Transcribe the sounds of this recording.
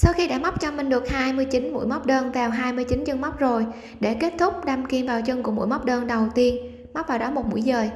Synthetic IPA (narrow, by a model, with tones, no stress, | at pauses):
sa˧wxi˧ɗa̰ː˧˥ma˦˥k͡p̚t͡ɕɔ˧mï˨˩ŋ̟ɗɨ˨˩ək̚haː˧jmɨ˧əjt͡ɕi˨˦nmṵ˧˥jma˦˥wk͡p̚ɗəː˧nt̪ʰɛ˨˩wɦaː˧jmɨ˧əjt͡ɕi˨˦nt͡ɕɨ˧ŋma˦˥wk͡p̚zo˨˩j | ɗe˧˩ke˦˥t̚t̪ʰʊ˦˥k͡p̚ɗa˧mki˧ənvaː˨˩wt͡ɕɨ˧ŋku˧əmṵ˧˥˨jma˦˥wk͡p̚ɗəː˧nɗə˨˩wt̪i˧ən | ma˦˥k͡p̚vaː˨˩wɗɔ˨˦mo˨˩t̚mṵ˧˥əjzəː˨˩j